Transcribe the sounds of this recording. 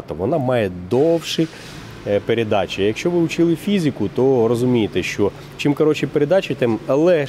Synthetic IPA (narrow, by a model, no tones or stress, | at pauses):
t̪ɔʋɔnɑmɑjɛd̪ɔwʃi | peɾʲed̪ɑt͡ʃʲijɐkʃt͡ʃɔʋɪʊt͡ʃɪlˠɪfʲizʲɪkʊt̪ɔɾɔzʊmʲijet̪ɛʃt͡ʃɔ | t͡ʃɪmkɐɾɔt͡ʃipeɾʲed̪ɑt͡ʃit̪ɛmɐlˠɛ